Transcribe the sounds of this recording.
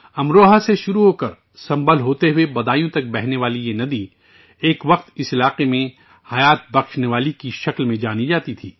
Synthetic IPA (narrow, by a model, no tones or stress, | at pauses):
ɐmɾoːɦaseʃʊɾuɦoːkɐɾ | sɐ̃mbəlɦoːt̪eɦʊebɐd̪aːjõt̪ɐk̚bɛɦneʋaːlijenɐd̪i | eːkʋɐqt̪ɪsɪlaːqemẽ | hɐjaːt̪̚bɐxʃneʋaːlikiʃɐklmẽd͡ʒaːnid͡ʒaːt̪it̪ʰiː